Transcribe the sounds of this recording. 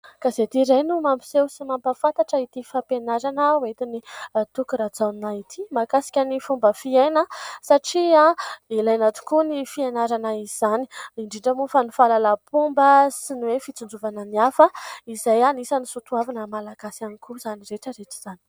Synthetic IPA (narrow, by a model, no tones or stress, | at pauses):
kazet̪iɾajnumampi̥sewsimampəfant̪aʈ͡ʂəit̪ifapenaɾanəwet̪init̪ukuɾad͡zawnait̪ʰimakasi̥kʲanifumbəfienəsaʈ͡ʂiailajnat̪u̥kunifienaɾanaiz̥ani̥iɳɖ͡ʐiɳɖ͡ʐəmufanufalalapumbəsinuwefit͡sund͡zuvanəniafəizajanisanisut̪uavanəmalaɡ̥asianikuzaniɾeʈ͡ʂəɾeʈ͡ʂi̥z̥ani̥